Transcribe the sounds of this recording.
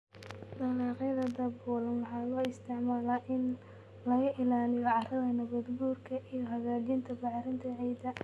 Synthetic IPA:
nɐlɑːqɪðɐd̪ɐbuːlɐnwɑħɑːlɔːɪst̪ʰɪʕmaːlaʔɪn | lɐɣɐʔɪlaːlɪjɔʕɑrɐɣɐnɐbɐd̪buːrkʰɐʔijɔɦɐɣaːd͡ʒɪnt̪ʰɐbɑʕɾɪnt̪ʰɐʕijd̪ɐ

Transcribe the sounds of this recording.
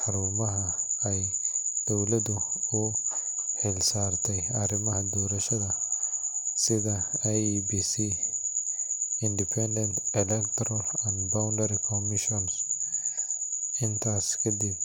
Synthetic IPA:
ħɑɾuːmɐɦɐɛjd̪̥ɔwlɐðʊʊ | ħɪlsaːrt̪ʰɛjɐɾɪmɐɦɐd̪ɔːɾɐʃɐðɐ | sɪðɐɛjbisi | ɪnd̪ɪpʰɛnd̪ɛnt̪ʰɛlɛkt̪ʰɔɾɔlɐnbawndɐɾikʰɔmɪʃɔns | ɪnt̪ʰaːskʰɐd̪ib̚

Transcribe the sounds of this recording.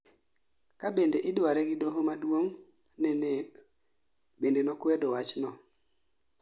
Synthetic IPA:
kabendeʔɪdwaɾɛɡɪdoɦomadwoŋ | nɛnek | bendenɔkwɛdɔwat͡ʃnɔ

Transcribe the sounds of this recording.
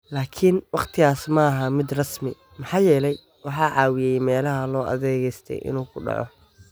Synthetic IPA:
laːkʰɪnwɑqt̪ʰɪɣaːsmɐːɦɐmɪd̪rɑsmɪ | mɑħɑːjɛːlɛj | wɑħɑːʕɑːwɪjɛjmɛːlɐɦɐlɔːʔɐ̰ðɛːɣɛjst̪ʰɛ̰jʔɪ̰nuːkʰʊɖɑ̰ʕɔ̰

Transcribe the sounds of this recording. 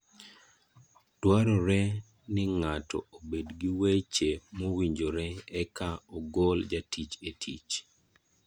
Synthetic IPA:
twaɾɔɾɛ | nɪŋatʰɔ̰obedɡiwet͡ʃemowiɲd͡ʒoɾɛɛkaɔɡold͡ʒatʰit͡ʃetʰit͡ʃ

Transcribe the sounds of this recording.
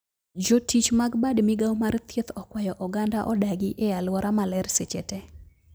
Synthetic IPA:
d͡ʒotit͡ʃmaɡbadmɪɡawmart̪ʰjet̪ɔkwajɔʔɔɡandaʔɔdaɡɪʔealwɔɾamalɛrset͡ʃɛtɛ

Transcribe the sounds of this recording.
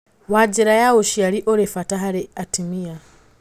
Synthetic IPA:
wad͡ʒiɾajawoʃiaɾiʔɔɾɛfataɦaɾɛatimia

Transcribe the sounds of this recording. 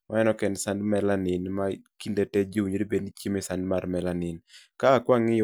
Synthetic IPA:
mʔaɛnɔkɛnsandmɛlanɪnmakindetɛd͡ʒiwuɲodibednit͡ʃimɪsandmarmɛlanɪnkaːkwaŋɪ

